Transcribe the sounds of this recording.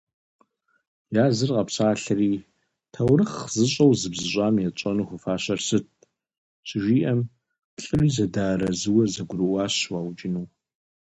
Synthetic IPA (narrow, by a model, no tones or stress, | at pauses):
jaːzɨrqʼɐpɕaːɬɐriː | tʰɐwrɨχzɨɕʼɐwzɨbzɨʑʷʼaːmjɛt͡ʃʷʼɔnuχʷʊfaːɕɐrsɨt̚ | ɕʼɪʒʷiːʔɐm | pɬʼɨriːzɐdaːɾɐzɨwɐzɐɡʷʊrɨwaːɕwaːwt͡ʃʼɪnuw